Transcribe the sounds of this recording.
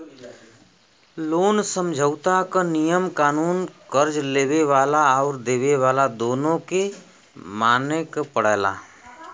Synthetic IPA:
loːnsə̃md͡ʒʱəʊt̪akanijəmkaːnuːnkəɾd͡ʒleːʋeʋaːlaɔːɾd̪eːʋeʋaːlad̪oːnõke | maːnekpəɽɛːla̰ː

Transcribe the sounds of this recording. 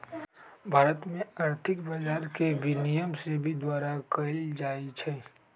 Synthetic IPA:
bʱaːɾət̪mẽɐɾt̪ʰɪkbəd͡ʒaːɾkebinijəmsebʱid̪waːɾakɐld͡ʒaːit͡ʃʰɛː

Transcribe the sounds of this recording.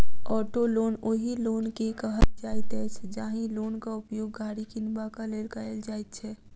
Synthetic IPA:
ɔːʈoloːnoːɦiloːnkekəɦəld͡ʒaːit̪ɛt͡ʃʰɛd͡ʒaːɦĩloːnkaʊpjoːɡɡʱaːɾikinbakalelkaeld͡ʒaːɪt̪̚t͡ʃʰɛː

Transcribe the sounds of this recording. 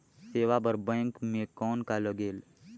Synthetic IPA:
seːʋapəɾbɛ̃ːŋkmẽkɔːnkaləɡeːl

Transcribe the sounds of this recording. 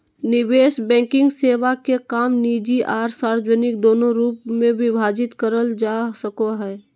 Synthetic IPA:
nɪʋeːʃbɛ̃ːkɪ̃ŋɡseːʋakekaːmniːd͡ʒiʔaːɾsaːɾd͡ʒənɪk̚d̪oːnoɾuːpmẽʋɪbʱaːd͡ʒɪt̪kəɾəld͡ʒaːsəkoɦɛː

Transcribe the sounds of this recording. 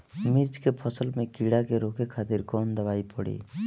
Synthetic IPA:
mɪɾd͡ʒkepʰɔsəlmẽkiːɽakeɾoːkekʰaːt̪ɪɾkɔːnd̪əʋaːipəɽḭː

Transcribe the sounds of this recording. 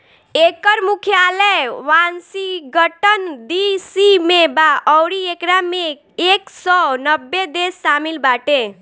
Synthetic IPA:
ekəɾmukʰjaləjʋansiɡəʈənd̪isimebaʔɔwɾiekɾame | eksɔnəbːed̪esːamilbaʈẽ

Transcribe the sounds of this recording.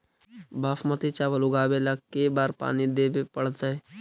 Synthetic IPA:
baːfmɐt̪it͡ʃaːʋɐluɡaːbelakkːebaːɾpa̰ːnid̪ebepɐɽt̪ae

